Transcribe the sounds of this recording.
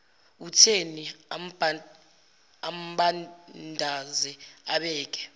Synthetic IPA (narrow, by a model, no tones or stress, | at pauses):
utʰenib | am̩ɓandʱazɛaɓɛːk̬ʼɛ̥